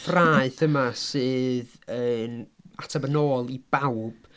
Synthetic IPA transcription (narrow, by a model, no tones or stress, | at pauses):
fraːɨθəmasɨːð | əːnatʰabənoːlˠibawb̥